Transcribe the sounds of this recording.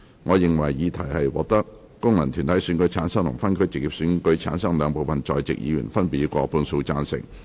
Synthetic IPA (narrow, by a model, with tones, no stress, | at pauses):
ŋɔː˨˧jɪ˨ŋwɐ˨˩jːiː˨˧t̪ʰɐ˨˩jhɐ˨jwɔː˨k̚t̪ɐ˥k̚ː | ʊ˥ŋlɐ˨˩nt̪ʰyː˨˩nt̪ʰɐ˨˥jsyː˨˥nkɵ˨˥ɥt͡sʰaː˨˥nsɐ˥ŋt̪ʰʊ̰˨˩ŋfɐ˥nkʰɵ˥ɥt͡sɪ˨k̚jiː˨p̚syː˨˧˥nkɵ˨˥ɥt͡sʰa̰ː˨˥nsɐ˥ŋlœː˨˧ŋpo˨wfɐ˨nt͡ʃɔː˨jt͡sɪ̰˨k̚jḭː˧jy̰ː˨˩nfɐ˥npi˨˥kʷɔː˧puː˧nso˧wt͡saː˧nsɪ̰˨˩ŋ̚